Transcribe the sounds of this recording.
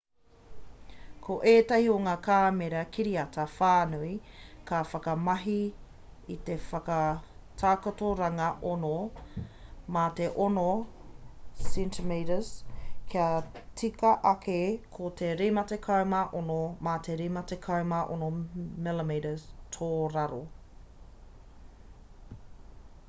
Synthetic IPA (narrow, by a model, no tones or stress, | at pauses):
kʰoʔeːtɐhioŋaːkʰaːmeɾɐkʰiɾiɐtʰɐfaːnuikʰafɐkɐmɐɦi | it̪efɐkɐtʰaːkotoɾɐŋɐʔono | mateʔono | sintʰəmeɾəskʰiɐt͡sikɐʔɐkʰekʰot̪ʰeɾemɐtekʰɐwmɐʔonomat̪ʰeɾemɐtekʰɐwmɐʔonomɪlemeɾəstʰoːɾɐɾo